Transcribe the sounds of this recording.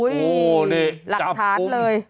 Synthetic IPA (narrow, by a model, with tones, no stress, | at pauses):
ji˧la˨˧˩t̪ʰaː˨˦ləː˧j